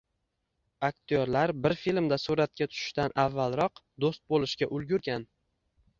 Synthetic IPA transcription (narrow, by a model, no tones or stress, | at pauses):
ak̚ʲt̪ʰoɾlaɾbɪɾfilmd̪asuɾat̪̚kʲat̪ʰʊ̥ʃɪ̥ʃt̪anʔavːalˠɾɒqd̪ost̪̚bolˠɪʃkʲaʔʊlˠɡʲʊɾɡʲan